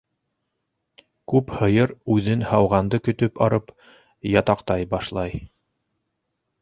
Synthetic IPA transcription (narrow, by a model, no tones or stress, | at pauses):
kʉphɤ̆jɤɾʉðɘnhɑwʁɑnd̪ɤkɵ̆t̪ɵpɑɾɤp | jɑt̪ɑqt̪ɑjbɑʃlˠɑj